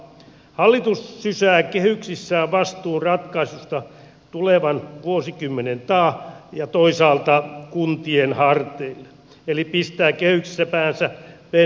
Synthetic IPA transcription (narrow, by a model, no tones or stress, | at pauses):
hɑlːit̪usːysæːkehyksisːæːʋʋɑst̪uːnrɑt̪kɑisust̪ɑ | t̪uleʋɑnʋuosikymːenent̪ɑːjɑt̪oisɑːlt̪ɑkunt̪ienhɑrt̪eilːe | elipist̪æːkehyksi̥sːæpæːnsæpe